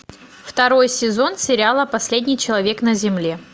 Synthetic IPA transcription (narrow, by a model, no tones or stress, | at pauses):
ft̪ɐɾo̞jsʲɪzo̞nsʲɪɾʲalˠəpɐsʲlʲedʲnʲɪjt͡ɕɪlˠɐvʲe̞knəzʲɪmlʲe